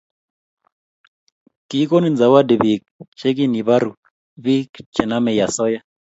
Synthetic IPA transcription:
ki˨˦ko˦ni˦˨d͡za˨wa˦dɛ˨βi˨k̚t͡ʃɛ˦k̬i˦ni˨βa˦ɾu˨ | βi˦kt͡ʃʼɛ˨na˦mɛ˨ja˨sɔ˦ja˦

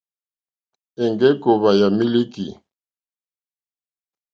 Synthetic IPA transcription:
ɛ˨ŋɡɛ˦ko˨βa˨ja˨mi˦li˦kḭ˨

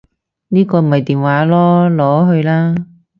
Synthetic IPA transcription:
niː˥kɔː˧m̩˨˩hɐ˨jt̪iː˨nwaː˨˥lɔː˥lɔː˨˥ɦɵ˧ɥlaː˥

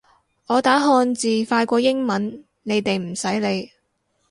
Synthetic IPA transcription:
ɔː˨˧t̪aː˨˥ɦɔː˧nt͡siː˨faː˧jkʷɔː˧jɪ˥ŋmɐ˨˥n | ne˨˧jt̪e˨jm̩˨˩sɐ˨˥jle˨˧j

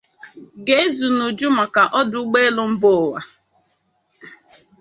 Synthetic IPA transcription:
ɡe˦e˦zu˨nu˨d͡ʒu˦ma˨ka˨ʔɔ˦dʊ˦ɡ͡be˦lʊ˦m̩˦bʊ˦˨wa̰˨

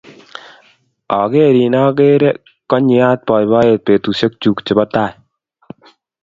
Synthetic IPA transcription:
ɔ˨ɡe˦ɾi˨nɔ˦ɡe˦ɾe˦ | kɔ˦ɲɪ˨a˦t̚pɔ˨jbɔ˦e˨t̚pe˨tu˨sɔ˦k̚t͡ʃu˨kt͡ʃɪ˨bɔ˦taː˨j

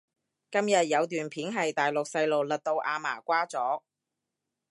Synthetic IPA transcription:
kɐ˥mjɐ˨t̚jɐ˨˧wt̪yː˨˩npʰiː˨˥nɦɐ˨jt̪aː˨jlʊ˨k̚sɐ˧jlo˨˩wlɐ˨t̚t̪o˧wʔaː˨˧ma̰ː˨˩kʷaː˥t͡sɔː˨˥

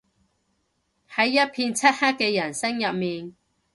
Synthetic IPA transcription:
hɐ˨˦jːɐ˥t̚pʰiː˧nt͡sʰɐ˥t̚haː˥kːɛː˧jɐ˨˩nsɐ˥ŋjɐ˨p̚miː˨n

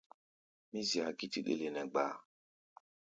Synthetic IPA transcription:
mi˦zi˨a˨ɡi˦ti˦ɗḛ˦le˨nɛ˨ɡ͡ba˨

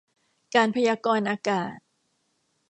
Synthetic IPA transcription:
kaː˧npʰa˧jaː˧kɔː˧nʔaː˧kaː˨˩t̪̚

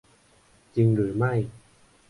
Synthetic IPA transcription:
t͡ɕi˧ŋlɯː˨˩˦ma˥˩j

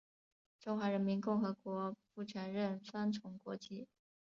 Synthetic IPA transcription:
ʈ͡ʂʊ˥ŋxwa˧˥ɻə˧˥nmi˧˥nkʊ˥˩ŋxɤ˧˥kwɔ˧˥pu˥˩ʈ͡ʂʰə˧˥nɻə˥˩nsa˥nt͡sʰʊ˧˥ŋkwɔ̰˧˥t͡ɕi˥˩

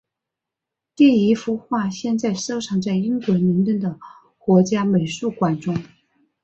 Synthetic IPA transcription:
t̪i˥˩i˧˥fu˧˥xwa˥˧ɕjɛ˥˧nt͡sa˥˩ɪʂo˥ʊʈ͡ʂʰɑ˧˥ŋt͡sa˥˩ɪi˥ŋkwə˧˥mi˧˥ŋt̪ə˥˩ŋd̪ə˩ | kwɔ˧˥t͡ɕja˥me˨˩ɪʂu˥˩kwa˨˩nʈ͡ʂʊ˥ŋ

